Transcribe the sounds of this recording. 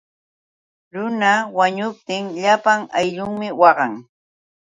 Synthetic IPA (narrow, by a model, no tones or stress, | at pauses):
ɾʊnawaɲʊp̚t̪ɪŋʎapaŋajʎʊŋmɪwɑɢɑŋ